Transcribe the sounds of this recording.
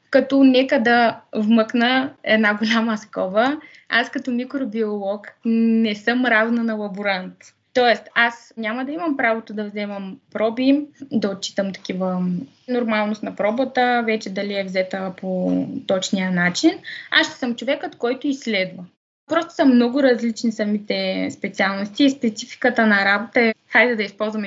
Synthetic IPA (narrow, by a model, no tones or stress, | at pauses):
kɐt̪ɔnɛkəd̪ɐvməknəɛd̪naɡolʲamɐskɔvə | askɐt̪ɔmikɾobiolˠɔknɛsəmɾavnənɐlˠɐbuɾant̪ː | ɔɛst̪asnʲamɐd̪ɐimɐmpɾavot̪od̪ɐvzɛmɐmpɾɔbid̪ɐot̪̚t͡ʃi̥t̪əmt̪ɐ̥kivə | noɾmalˠnost̪nɐpɾɔbət̪əvɛt͡ʃɛd̪ɐliɛvzɛt̪əpot̪ɔt͡ʃniənat͡ʃinaʃt̪ɛ̥səmt͡ʃovɛkot̪kɔjt̪oisːlɛd̪və | pɾɔst̪o̥səmnɔɡʊɾɐzlit͡ʃnisɐmit̪ɛspɛt̪sialˠnost̪iːspɛt̪sifi̥kət̪ənɐɾabot̪əɛxajd̪ɛd̪ɐispɔlˠzvɐm